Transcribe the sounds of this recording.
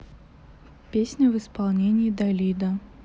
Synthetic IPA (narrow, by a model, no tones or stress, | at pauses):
pʲesʲnʲəvɨspɑlˠnʲenʲɪːd̪ɐlʲid̪ə